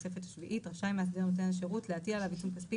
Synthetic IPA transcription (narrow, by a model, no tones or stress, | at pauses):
sefe̞t̪ḁʃviʔit̪ʁaʃajmeased̪enot̪enaʃ̬eʁutleat̪ialavit͡sumkaspi